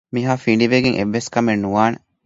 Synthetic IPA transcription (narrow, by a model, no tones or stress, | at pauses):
miɦaːfiɳɖiʋeɡeŋʔḛʋːeskɐmenːuʋaːne